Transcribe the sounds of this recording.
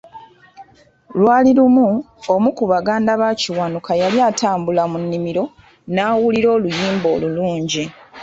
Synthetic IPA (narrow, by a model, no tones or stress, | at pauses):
lwaːliɾumu | omukuβaɡaːndaβaciwanukajaljaːtaːmbulamunːimiɾo̞ | naːwuliɾo̞ːlujiːmbo̞ːluluːɲɟi